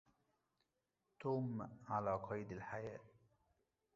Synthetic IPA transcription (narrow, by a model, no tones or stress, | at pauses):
t̪oːmʕalaːqʰɑjd̪alħajæː